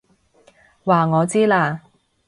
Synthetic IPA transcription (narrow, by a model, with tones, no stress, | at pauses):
waː˨ŋɔː˨˧t͡siː˥laː˧